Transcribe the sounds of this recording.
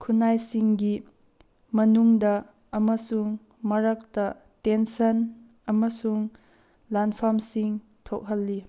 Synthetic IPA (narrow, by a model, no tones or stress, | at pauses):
kʰunajsiŋɡi | mɐnuŋdɐː | mɐsuŋ | mɐɾɐk̚tɐ | tensɐn | ɐmɐsuŋ | lanpʰamsiŋ | tʰok̚ɦɐlːi